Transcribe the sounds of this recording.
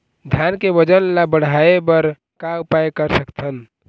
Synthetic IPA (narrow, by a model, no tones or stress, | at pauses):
d̪ʱjankebəd͡ʒənlabəɽ̤aebəɾ | kaʊpajkəɾsəkt̪ʰən